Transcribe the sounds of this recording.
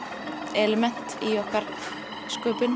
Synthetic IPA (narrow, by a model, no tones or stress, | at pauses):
ɛlɛmɛn̥t̪iɔhkaɾ̥ | skœːpʏn